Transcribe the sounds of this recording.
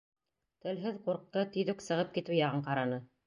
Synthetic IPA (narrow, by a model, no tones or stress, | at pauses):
t̪ɘ̆lɦɘðquɾq̪̚ːɤt̪ɵ̆jðɵksɤ̆ʁɤp̚kit̪ʉjɑʁɤɴqɑɾɑnɤ